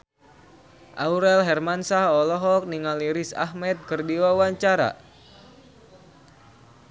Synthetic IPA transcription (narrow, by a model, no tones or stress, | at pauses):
ʔa̰uɾɛlɦɛrmansahɔlɔɦɔk̚niŋaliɾisa̰hmɛt̪̚kɨrdiwawaɲt͡ʃaɾa̰